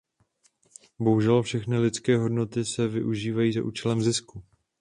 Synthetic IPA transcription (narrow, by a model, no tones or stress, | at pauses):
bo̞ɦuʒɛlfʃɛxnɪlɪt͡skɛːɦo̞dno̞t̪ɪsɛvɪʔuʒiːvajiːzaʔuːt͡ʃɛlɛmzɪsku